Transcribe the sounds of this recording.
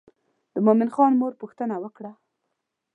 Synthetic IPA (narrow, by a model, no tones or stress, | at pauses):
d̪̥əmomɪnxɑnmoɾpuxt̪ənawəkɽa